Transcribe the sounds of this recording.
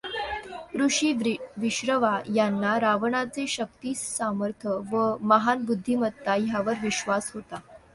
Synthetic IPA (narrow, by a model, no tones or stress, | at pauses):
kɾuʂiːʋiɕɾəʋajanːaɾaʋəɳat͡seɕək̚t̪iːssaməɾt̪ʰəʋəməɦanbud̪ʱːimət̪ːajaʋəɾʋiɕʋasɦot̪a